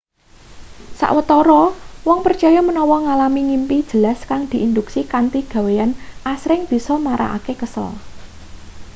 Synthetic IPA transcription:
sa̰ʔwət̪ɔɾɔwɔŋpərt͡ʃɔjɔmənɔwɔŋalamiŋimpid̥ʒ̥ə̤laskaŋd̪̥i̤ʔind̪uksikant̪iɡ̥ä̤wejanʔasɾɪŋb̥i̤sɔmaɾa̰ʔa̰kekəsə̰l

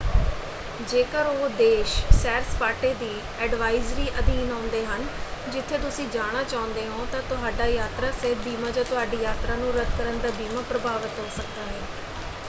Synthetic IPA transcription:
d͡ʒeːkəɾoːd̪eːʃsɛːɾspaːʈeːd̪iː | ɛːɖʋaːɪzɾiːʔəd̪iːnãːnd̪eːɦənd͡ʒɪt̪ʰːeːt̪ʊsĩːd͡ʒaːɽ̃aːt͡ʃaːʊ̃nd̪eːɦõːt̪ãːt̪ʊɦaːɖaːjaːt̪ɾaːsɪbiːmaːd͡ʒãːt̪ʊɦaːɖiːjaːt̪ɾaːnũːɾəd̪̚ʱkəɾənd̪aːbiːmãːpɾəbaːʋət̪ɦoːsək̚d̪aːɦɛː

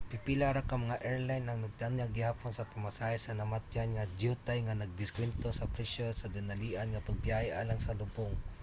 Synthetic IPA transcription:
pipilaɾakɐmɐŋaʔɛɹlajnːɐŋnɐɡ̚t̪anŋaɡɪhaːponsɐpɐmɐsaːhɛsɐnɐmat̪janŋad̪ut̪ajŋanɐɡ̚d̪ɪskwɛnt̪osɐpɾɛʃɛsɐd̪ɪnɐliːʔanŋɐpɐɡ̚pjaːhɛʔa̰laŋsɐlʊboŋ

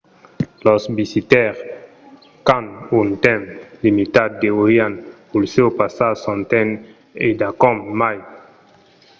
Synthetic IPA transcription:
lɔsbisit̪ɛʁ | kãnunt̪ɛ̃mlimit̪ad̚deoʁjãnpulsewpasasɔ̃nt̪ɛ̃n | ed̪akɔmːaj

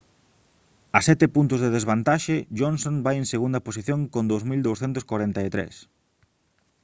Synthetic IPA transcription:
ɐsɛt̪epunt̪ʊzðeðezβant̪aʃeʒonsõnbajeŋseɣund̪ɐposiθjõŋkõnd̪owzmild̪owsθɛnt̪ʊskwaɾɛnt̪aet̪ɾḛs

